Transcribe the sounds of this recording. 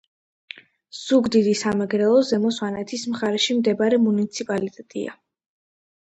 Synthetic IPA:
z̥uɡd̪id̪isamɛɡɾɛlˠɔzɛmɔswanɛt̪ʰismχaɾɛʃimd̪ɛbaɾɛmunit̪sʰipʼalit̪ʼɛt̪ʼḭa̰

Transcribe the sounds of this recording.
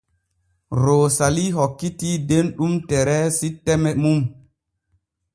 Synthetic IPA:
ɾoːsaliɦokːitidenɗumtɛɾɛsitːɛmɛmum

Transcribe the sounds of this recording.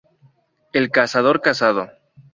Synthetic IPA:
e̞lkasað̞o̞ɾkasað̞o

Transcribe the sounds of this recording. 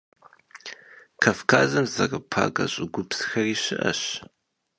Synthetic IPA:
kʰafkʰa̰ːzɐmzɐrɨpʰa̰ːɡɐɕʼɪɡʷʊpsxɐriːɕɪʔɐ̰ɕ

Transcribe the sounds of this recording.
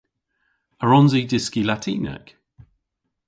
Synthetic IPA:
əɹɔnzidɪskilatʰḭːnɛ̰k

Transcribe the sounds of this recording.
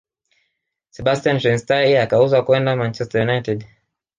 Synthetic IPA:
sɛbastianʃɛnstaiakauzakwɛndamant͡ʃɛstajunajtɛd

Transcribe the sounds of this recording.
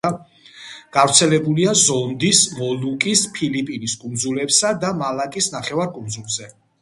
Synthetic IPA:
ɡ̥avɾt̪sʰɛlɛbuliazɔnd̪ismɔlukʼispʰilipʼiniskʼund̪zulɛpsad̪amalakʼisnaχɛvaɾkʼund̪zulˠzɛ

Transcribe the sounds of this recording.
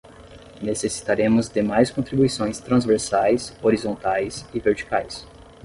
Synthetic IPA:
nesesi̥t̪aɾẽmʊzd̪emajskõnt̪ɾibuisõj̃st̪ɾɐ̃zveɾsajsoɾizõnt̪ajsɪveɾt͡ʃi̥kajs

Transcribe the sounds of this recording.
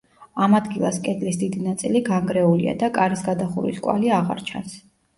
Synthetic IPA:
amad̪ɡilˠaskʼɛd̪lisd̪id̪inat̪sʼiliɡaŋɡɾɛulḭa̰d̪akʼaɾisɡad̪aχṵɾḭskʼwa̰liaʁa̰ɾt͡ʃʰa̰ns

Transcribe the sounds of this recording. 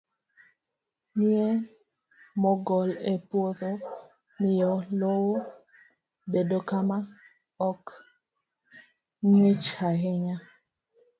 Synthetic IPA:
nie | mɔɡɔlepwoðo | mɪjɔlowo | bedokama | ɔk | ɲwet͡ʃhaɦɛɲa

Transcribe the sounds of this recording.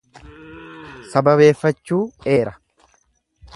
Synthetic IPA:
sɐbɐβe̞ːfːɐt͡ʃːuːeːɾɐ̥

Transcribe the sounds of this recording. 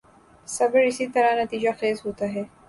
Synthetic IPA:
sɐbəɾɪsit̪ɐɾanɐt̪iːd͡ʒaxeːzɦoːt̪aɦɛː

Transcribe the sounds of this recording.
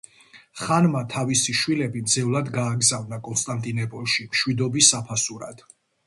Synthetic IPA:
χanmat̪ʰavisiʃwilɛbind̪zɛvlˠad̪ɡaːɡzavnakʼɔnst̪ʼant̪ʼinɔpʼɔlˠʃimʃwid̪ɔbisːapʰasuɾa̰d̪̥

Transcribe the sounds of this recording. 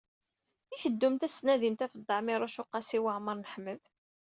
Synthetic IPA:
iθəd̪ːumt̪æsnæðimt̪æfəd̪ˤːɑʕmɪɾˤaʃʊqːɑsiwaʕməɾˤnəħməð

